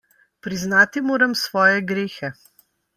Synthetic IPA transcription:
pɾiznaːt̪imoːɾɐmsʋɔːjɛɡɾeːxɛ

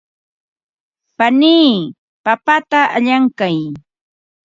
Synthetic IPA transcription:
paniː | papat̪aʔaʎaŋkaj

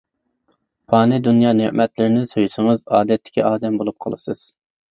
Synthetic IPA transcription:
pʰɑːnɪd̪unjɑːneʔmɛt̪lɪɾɪnɪsojuʃɨŋɨzɑːd̪ɛt̪ʰːɪ̥kʲʰiʔɑːd̪ɛmbolˠup̚qʰɑ̰lˠɨsɨz̥

